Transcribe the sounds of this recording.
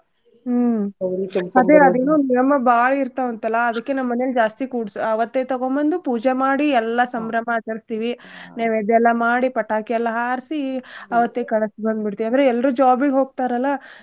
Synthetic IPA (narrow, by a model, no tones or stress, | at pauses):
ɐɾit̪ɐɐd̪eɐd̪eːnːunijɐmɐbaːɭɐiɾt̪aʋɐnt̪ɐlːɐːd̪ɐkːe̞nɐmɐːɐneɐld͡ʒaːst̪ikuːɽsuɐʋɐt̪ːet̪ɐɡombɐnd̪upuːd͡ʒemaːɽiɛlːɐsɐmɾɐmɐːt͡ʃɐɾist̪iːʋinaːʋed̪ɛlːɐmaːɽipɐʈːaːkijɛlːɐɦaːɾsiɐʋɐt̪ːekɐɭɐsibɐnd̪biɽt̪iʋiand̪ɐɾeɛlːɾud͡ʒaːbiɡeɦo̞ːɡ̚t̪aːɾɐlːɐ